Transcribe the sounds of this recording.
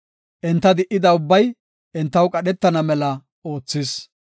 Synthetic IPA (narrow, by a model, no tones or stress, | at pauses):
ʔɛnt̪ːɐd̪ɪʔːɪd̪ɐʊbːɐj | ʔɛnt̪ːɐwkʼɐɗɛt̪ːɐnɐmɛlɐ | oːt͡sːɪs